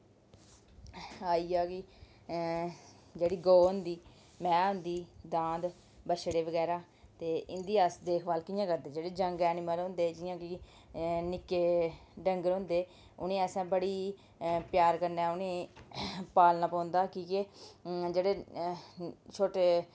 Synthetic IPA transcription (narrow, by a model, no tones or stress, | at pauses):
aːiːaːkɪ | d͡ʒeːɽiːɡoːʊnd̪iː | mɛ̃ːʊ̃nd̪iːd̪ãːnd̪ | bəʃɽeːʋəɡɛːɾaː | t̪eːʔɪnd̪iːəsd̪eːkʰʋaːlkɪjãːkəɾd̪eːd͡ʒeːɽeːd͡ʒəŋɡɛːnɪməlɦʊ̃ːnd̪eːd͡ʒɪjãːkɪ | nɪkeːɖəŋɡəɾɦʊ̃ːnd̪eː | ʊnẽːəsãːbəɽiː | pjaːɾkəɾneɛːʊnẽː | paːlnaːpãːnd̪aːkiːked͡ʒeːɽeː | t͡ʃʰoːʈeː